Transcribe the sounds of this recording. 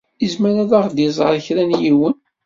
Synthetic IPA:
izmæɾæðæʁd̪zˤəɾˤçɾænjiwən

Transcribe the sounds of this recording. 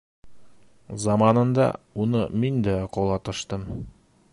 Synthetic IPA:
zɑmɑnɤ̆nd̪ɑ̰unɤmind̪æqŏlˠɑt̪ɤ̆ʃt̪ɤm

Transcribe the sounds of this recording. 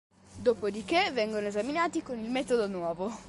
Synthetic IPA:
d̪oːpod̪ikevɛŋɡonoezaminaːt̪ikonilmɛːt̪od̪onwɔːvo

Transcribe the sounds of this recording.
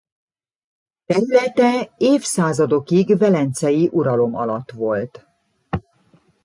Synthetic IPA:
t̪ɛɾylɛt̪ɛeːfsaːzɒd̪o̞kiɡvɛlɛnt̪sɛjiʔuɾɒlo̞mɒ̰lɒt̪ʋo̞lt̪

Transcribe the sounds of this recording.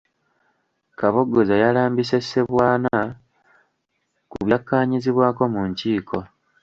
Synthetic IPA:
kaβo̞ɡːo̞zajalaːmbise̞sːe̞βwaːna | kuβjakːaːɲiziβwaːko̞muɲciːkʰo̞

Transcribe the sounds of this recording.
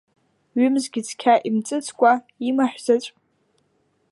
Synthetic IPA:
ɥʏmzɡʲɪt͡sʰkʲʰaʔimt͡sʼɨt͡sʰʼkʷʼa | imaħʷᶣzat͡ʃʷʼ

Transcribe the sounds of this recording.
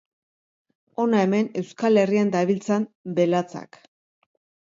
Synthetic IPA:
o̞nae̞me̞ne̞wskale̞riand̪aβilt͡sanbe̞lat͡sa̰k

